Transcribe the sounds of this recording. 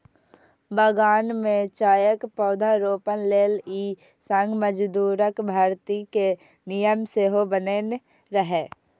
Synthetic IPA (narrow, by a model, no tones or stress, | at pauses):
bəɡaːnmẽt͡ʃaːjəkpɔːd̪ʱaɾoːpənleːliː | sə̃ŋɡʱməd͡ʒd̪uːɾəkbʱaːɾt̪ike | nɪjəmseːɦobənen | ɾəɦeː